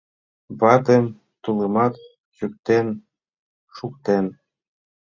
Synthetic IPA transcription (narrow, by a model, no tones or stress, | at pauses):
bɑt̪em | t̪ulˠə̆mɑt̪ | t͡ɕyk̚t̪en | ʃukt̪en